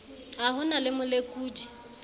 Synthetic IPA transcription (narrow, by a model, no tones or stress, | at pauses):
aɦʊnalɪmʊlekʼuːt͡ʃʼi̥